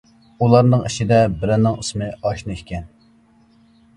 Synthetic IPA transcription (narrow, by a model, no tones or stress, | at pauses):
ulˠɑɾnɨŋiʃid̪ɛbɪɾɛnːɪŋɨsmɨɑʃnɨkʲɛn